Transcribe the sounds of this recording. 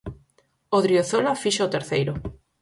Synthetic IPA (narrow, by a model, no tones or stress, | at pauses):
oðɾioθolafiʃaot̪eɾθejɾo